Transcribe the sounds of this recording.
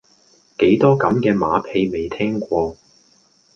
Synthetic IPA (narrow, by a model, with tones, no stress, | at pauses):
ke˨˥jt̪ɔː˥kɐ˨˥mkɛː˧maː˨˥pʰe˧jme˨jt̪ʰɛː˥ŋkʷɔː˧